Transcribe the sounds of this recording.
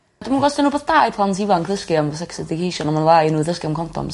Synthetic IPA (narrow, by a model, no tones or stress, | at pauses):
dəmanɡɔsdɪnuːbɔðdaːjpʰlˠantivankʰðəskiamvɔsɛksɛdɪkʰejʃɔnamanlˠajnuːðəskiamkʰɔntʰɔ̰m